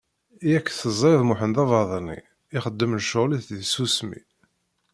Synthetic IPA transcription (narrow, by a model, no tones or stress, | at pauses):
ijækːθəzˤɾeðˤmʊħənd̪ɑvɑðˤənḭ | ɪχəd̪ːəmləʃoʁliθðsusmḭ